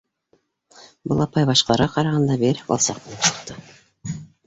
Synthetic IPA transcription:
bɤlˠɑpɑjbɑʃqɑɾʁɑqɑɾɑʁɑnd̪ɑbeɾkɑ̰lˠsɑ̰qmɤ̆nɤpsɤ̥̆qt̪ɤ

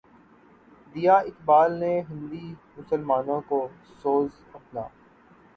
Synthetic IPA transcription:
d̪ijaːɪkbaːlneɦɪ̃nd̪imʊsəlmaːnõko | soːz | ɐpla̰ː

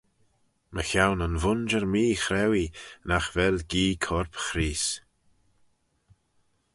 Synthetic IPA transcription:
məxawnənvʊnd͡ʒəɾmiːxɾɛwinaxvɛlɡiːkʰɔɹpxɾiːs

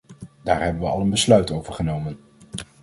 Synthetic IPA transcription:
d̥aːɹɦɛbənʋəɑ̰lˠənbəslœɥtowvəɹχənowmən

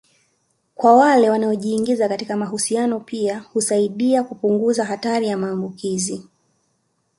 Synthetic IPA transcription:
kwawalɛwanaɔʄiːŋɡizakatikamaɦusianɔpiahusaiɗiakupuŋɡuzaɦataɾijamaːmbukizi

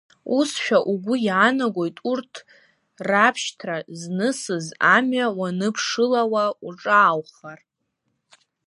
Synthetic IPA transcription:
usʃᶣaʔuɡʷʊjaːnaɡʷo̞jtʼurtʰ | rapʰʃtʰraznɨsɨzamɥawanɨpʰʂɨlawauʈ͡ʂʼaːwχar

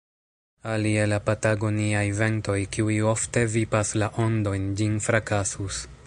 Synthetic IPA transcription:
alielapataɡo̞niajve̞nto̞jkiujo̞fte̞vipaslaʔo̞ndo̞jnd͡ʒinfɾakasus

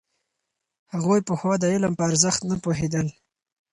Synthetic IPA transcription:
haɣojpəxwɑd̪əɪləmpəaɾzəxt̪napoɦed̪əl

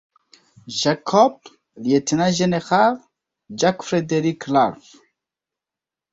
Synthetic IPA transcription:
ʒakʰːɔb̚ | ljet̪ʰɨnaʒɛnexav | d͡ʒakfɾed̪eɾikʰlaɾf

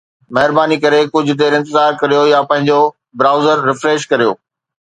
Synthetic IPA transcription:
mɐɦɪɾbaːnikɐɾekʊd͡ʑʱʊ̆t̪̬eːɾɪ̃nt̪ɪzaːɾkɐɾijojapɐ̃ɦɪ̃ɲd͡ʑo | bɾaːʊzəɾːɪfɾeːʃkɐɾijo̰ː

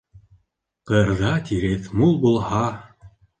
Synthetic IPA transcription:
qɤ̆ɾðɑt̪ʲiɾeθmulˠbulˠhɑ

